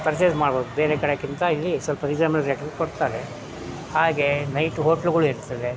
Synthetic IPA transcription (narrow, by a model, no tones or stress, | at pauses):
pɐɾt͡ʃeːsmaːɽboːd̪ubeːɾekɐɽekint̪ɐilːisɔlpɐɾiɡd͡ʒaːmɐlɾeʈɐkoɽt̪aːɾe | haːɡe̞nɐjʈɦoːʈɐlɡɐɭuɦeːɾt̪ːɐd̪e